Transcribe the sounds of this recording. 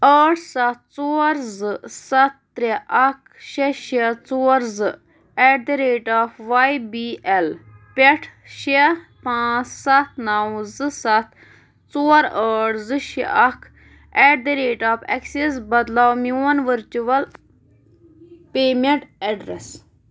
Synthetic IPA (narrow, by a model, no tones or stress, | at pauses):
əːʈʰsɐt̪̚t͡soːɾzɨsɐt̪̚ːɾeʔɐkʰ | ʃeʃet͡soːɾzɨ | ɛʈ̚d̪ɐɾeːʈaːfʋajbiːʔɛlpʲeʈʰ | ʃepãːt͡ssɐt̪̚ʰnɐwzɨsɐt̪̚ʰ | t͡soːɾəːɽzɨʃeɐkʰ | ɛʈd̪eɾeːʈaːpɛ̰kses̬bɐd̪lawmjuːnʋəɾt͡ʃuʋɐl | peːmeɳʈɛɖɾes